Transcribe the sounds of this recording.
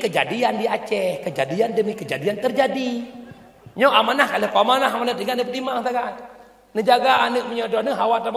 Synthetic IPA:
kəd͡ʒa̰diandiat͡ʃɛhkəd͡ʒadiandəmikəd͡ʒadiant̪ərd͡ʒadi | ɲɔʔamanahkaləpamanaɦamanat̪iɡaəpət̪imaŋt̪aɡat̪ | nəd͡ʒaɡaːnəʔ̚məɲɔdɔnəɦawat̪am

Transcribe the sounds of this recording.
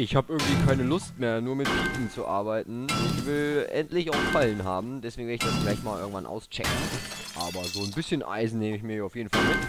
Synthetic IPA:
ʔɪçhaːbəʔɪɐɡŋ̩tv̥iːkʰaɪnəlʊstmeːɐnuːɐmɪtfʰiːtn̩t͡suʔa̰ɐbaɪtn̩ɪçv̥ɪlʔɛ̰ntlɪçaʊxfalənɦaːbm̩dɛsv̥eːɡŋvɪɐɪçd̥asfɪlaɪçtmaːlʔɪɐɡŋ̩tva̰nʔa̰ʊst͡ʃɛ̰kŋ̩ʔa̰ːbɐzoːnbɪsçənʔa̰ɪzn̩neːməɪçmiːɐjːaʊfjeːdn̩falmɪt

